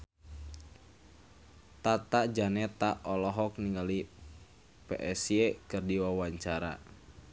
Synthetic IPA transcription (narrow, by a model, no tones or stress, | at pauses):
t̪at̪ad͡ʒanɛt̪aʔɔlɔɦɔk̚niŋɡali | peʔɛsiekɨrdiwawaɲt͡ʃaɾa̰